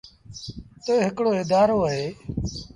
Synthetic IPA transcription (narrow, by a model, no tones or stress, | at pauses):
t̪əːɦɪkɽoːeːd̪aːɾoːəɦeː